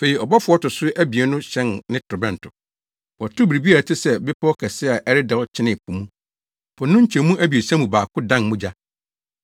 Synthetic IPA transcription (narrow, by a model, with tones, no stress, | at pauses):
fe˨i˨ɔ˨bɔ˦fʊ˨ɔ˦tʊ˨sʊ˦ʔæ˦bi˨e˨nʊ̃˦ɕɛ̃˦nnɪ̃˦tʊ˨bɛ̃˨n˨tʰʊ˨ | wɔ˨tʰʊ˦bi˨ɾi˨bi˦a˨a˨tʰɪ˦sɛ˨bɪ˦pʰɔ˦ɔ˦kʰɛ˨sɪ˦a˨ʔɛ˦ɾɪ˦dɛ˨ɔ˦t͡ɕʰɪ˦nɪ̃˨kʰũ˨mũ˦ | bʰʊ̃˨nʊ̃˦ɲ̩˦t͡ɕʰɛ̃˨˦mũ˦ʔæ˦bi˨e˨sã˦mũ˨baː˨kʰʊ˦dã˦nmũ˦d͡ʑa˦